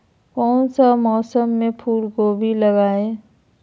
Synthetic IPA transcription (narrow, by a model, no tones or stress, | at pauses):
kɔːnsamɔːsəmːẽpʰuːlkoːbʱilɐɡaːe